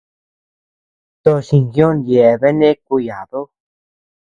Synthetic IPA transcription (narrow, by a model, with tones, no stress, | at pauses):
t̪o˧ʃi˧ŋɡjo˦nje˨βe˦nẽ˦ku˧ja˨ðo˦